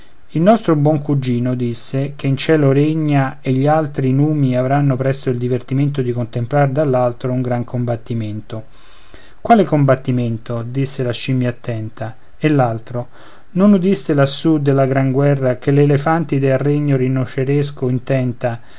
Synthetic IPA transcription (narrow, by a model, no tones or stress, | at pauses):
ilnɔst̪ɾobwɔŋkud͡ʒːiːnod̪isːekeint͡ʃɛːloɾeɲːaeʎːialt̪ɾinuːmiavɾanːopɾɛst̪oild̪ivert̪iment̪̬od̪ikont̪emplard̪alːalt̪ɾouŋɡɾaŋkʰombat̪ːiment̪o | kwaːlekombat̪ːiment̪od̪isːelaʃimjaːt̪ːɛnt̪a | elːalt̪ɾo | nonud̪ist̪elasːud̪ːelːaɡɾaŋɡwɛrːakelelefant̪id̪elrːeɲːorinːot͡ʃeɾeskoint̪ɛnt̪a